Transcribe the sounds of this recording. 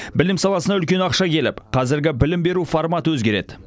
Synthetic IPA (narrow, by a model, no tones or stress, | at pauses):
bɪlɪmsɑlˠɑsənɑʏlkʲe̞nɑqʃɑkʲʰe̞lɪ̰pqʰɑzɪɾɡʲɪbɪlɪmbe̞ɾuformɑt̪əwɵzɡʲe̞ɾe̞̰d̪ɪ